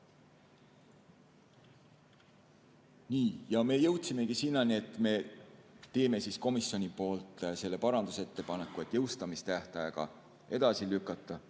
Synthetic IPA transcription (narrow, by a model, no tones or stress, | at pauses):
niːjɑme̞ːjɤwt̪ʲsime̞kisinːɑnie̞t̪ːˑme̞ | t̪e̞ːme̞sisko̞misjo̞nʲipo̞ːlt̪ːˑse̞lːe̞pɑɾɑnd̪̥use̞t̪ːe̞pɑne̞kːˑue̞t̪ːˑjɤwst̪ɑmist̪æht̪ɑjeɡ̥ɑ̰ | e̞d̪̥ɑsilykːˑɑt̪ˑːɑ